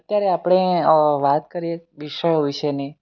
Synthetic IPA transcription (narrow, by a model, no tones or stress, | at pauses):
ət̪jaɾeapɽ̃eʋat̪kəɾijeʋiʃəjoʋiʃəni